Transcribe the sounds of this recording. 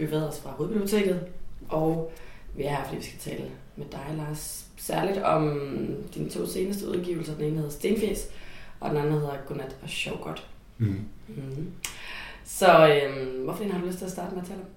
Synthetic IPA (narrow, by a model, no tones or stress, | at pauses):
b̥yʋeð̩̰ˠɒsfʁɑ̈hoðˠbib̥j̥uʊt͡sʰe̝̰ːɡ̥ð̞̩ˠʔɒʊʋiæɑfd̥ḭːʋisɡ̥æ̥t͡sʰɛ̰ːlə | med̥ɑ̈ɪlɑ̈ːsː | æɐlid̥ɒ̽md̥inət͡sʰo̝̰ːse̝ːnəsd̥əuðˠɡ̥ḭʊl̩sɐd̥ene̝ːnəhe̝ðˠɐsd̥e̝ːnfjḛsʔɒ̽d̥enæn̩he̝ð̞ˠɐɡ̥onæd̥ɒɕɒʊɡ̥ɒd̥ | sɒ̽ømʋɒfɒd̥e̝̰ːnhɑd̥uløsd̥̚t͡sʰe̝læsd̥ɑ̈ːdəmeæt͡sʰel